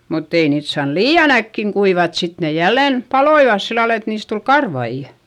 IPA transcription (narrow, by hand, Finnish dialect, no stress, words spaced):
mutː ei niːt sɑːn liːɑn ækːiŋ kuiʋɑt sit ne jælːen pɑloiʋɑs silːɑl et niːs tul kɑrʋɑijɑ̥